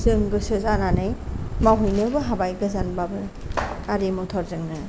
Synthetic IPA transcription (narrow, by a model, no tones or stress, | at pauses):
zɯŋɡɯsɯzananɯjmawɦujnɯbɯɦabajɡɯzanbabɯaɾimɔtʰɔɾzɯŋnɯ